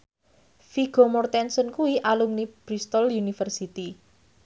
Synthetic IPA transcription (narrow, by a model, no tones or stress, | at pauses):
fiɡ̥ɔ̤mɔrt̪ɛnsənkuiʔalumnib̥ɾist̪ɔljunifərsit̪i